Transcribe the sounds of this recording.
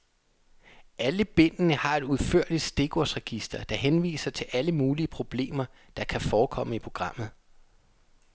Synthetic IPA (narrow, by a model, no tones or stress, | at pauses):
ʔæləb̥e̝n̰ənəhɑ̈e̝d̥uðˠfø̰ɐ̰li̥sd̥e̝ɡ̥ɒsʁɛɡ̥isd̥ɐd̥ɑ̈ɦenʋḭːsɐt͡sʰe̝lʔæləmuːliəpʰʁo̝b̥le̝̰ːmɐ | d̥ɑ̈kʰæfɒːkʰɒ̽m̰əipʰʁo̝ɡ̥ʁɑ̈m̰ð̩ˠ